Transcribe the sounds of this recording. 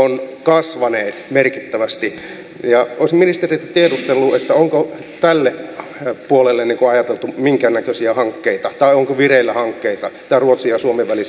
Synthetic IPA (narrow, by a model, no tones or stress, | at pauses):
onkɑsʋɑneːt̪merkit̪ːæʋæst̪i | jɑoˑisminist̪erit̪æt̪iedust̪elːuet̪ːæoŋko | t̪ælːepuolelːenniːŋkoɑjɑt̪elt̪umiŋkænːækøsiæhɑŋkːeit̪ɑt̪ɑioŋkoʋireilːæhɑŋkːeit̪ɑsĭ̥t̪æruot̪siɑsuomeʋʋælis